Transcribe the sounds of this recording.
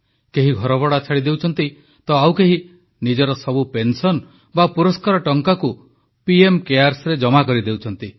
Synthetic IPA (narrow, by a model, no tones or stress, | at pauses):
keɦiɡʱɔɾɔbɔɽat͡ʃʰaɽid̪ewt͡ʃʰɔnt̪i | t̪ɔawkeɦi | nid͡ʒɔɾɔsɔbupensɔn | bapuɾɔskaɾɔʈɔŋkaku | piemkeaɾsɾed͡ʒɔmakɔɾid̪ewt͡ʃʰɔnt̪i